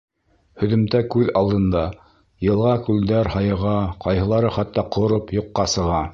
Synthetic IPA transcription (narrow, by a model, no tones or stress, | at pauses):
hɵ̆ðɵ̆mt̪ækʉðɑlˠd̪ɤ̆nd̪ɑ | jɤ̆lˠʁɑkʉld̪æɾhɑjɤ̆ʁɑqɑjɦɤ̆lˠɑɾɤχɑt̪ːɑqʰŏɾopjŏqːɑsɤ̆ʁɑ